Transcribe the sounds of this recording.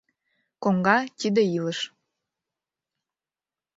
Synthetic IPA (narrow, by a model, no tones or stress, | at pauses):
koŋɡɑt̪id̪ə̆iləʃ